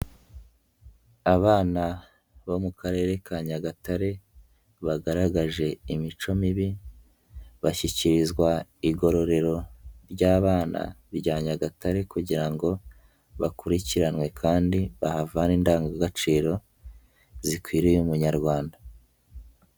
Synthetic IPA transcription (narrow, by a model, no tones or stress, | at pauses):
aβaːna | βo̞mukʰaɾe̞ːɾe̞kaɲaɡataɾe̞ | βaɡaɾaɡaʒe̞imit͡ʃo̞miβi | βaçiciɾizɡwaiɡo̞ɾo̞ɾe̞ɾo̞ɾɟaːβaːna̰βɟaːɲaɡataɾe̞kuɟiɾaŋɡo̞ | βakuɾiciɾanwe̞kʰaːndiβahavaniːndaːŋɡaɡat͡ʃiːɾo̞ | zikwiːɾijumuɲaɾɡwaːnda